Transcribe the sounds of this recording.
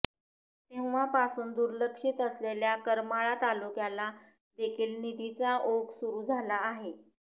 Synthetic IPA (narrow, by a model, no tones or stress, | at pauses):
t̪eʋʋ̤apasuːnd̪uɾləkʂiːt̪əsleljakəɾmaɭat̪alukjala | d̪ekʰiːlnid̪ʱit͡saʔoɡsuɾuːd͡zʱalaːɦe